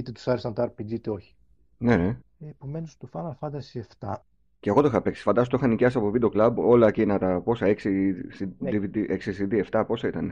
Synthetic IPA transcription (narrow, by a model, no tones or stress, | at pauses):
it̪et̪u̥sɐɾesɐnt̪ɐɾpid̪it̪eoçi̥ | ne̞ne | epome̞nust̪ofɐnɐlfɐnd̪ɐsieft̪ɐ | ceɣooixɐpe̞ksi̥fɐnd̪ɐs̬ot̪oixɐniceɐsɐpovid̪eo̞klɐbo̞lɐcinɐt̪ɐpo̞sɐe̞ksisid̪ivid̪iʔeksisid̪ie̞ft̪ɐpo̞sɐit̪ɐne